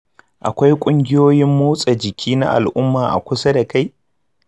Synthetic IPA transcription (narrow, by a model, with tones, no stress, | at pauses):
ʔa̰˨kʷa˦jkʷʼʊ˦ŋɡʲɪ˦joː˦jɪ˦mːoː˦sʼa˨d͡ʒɪ˨kʲʰiː˦na̰˦ʔa̰˨lʔʊ˦mːaː˨ʔa̰˨kʷʊ˦sa˦da˨ka˦j